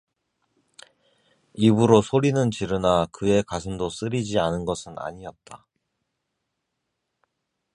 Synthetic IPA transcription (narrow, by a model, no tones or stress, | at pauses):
ibuɾosʰoɾinɯnt͡ɕiɾɯnakɯe̞kwasʰɯndos͈ɯɾid͡ʑianɯnɡʌsʰɯna̰ɲiʌt̚t͈a